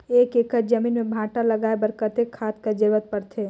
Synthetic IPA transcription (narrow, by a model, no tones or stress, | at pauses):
eːkekəd͡ʒəmiːnmẽbʱãːʈaləɡaːebəɾkət̪ekʰːaːt̪kad͡ʒɪɾʋət̪̚pəɾt̪ʰe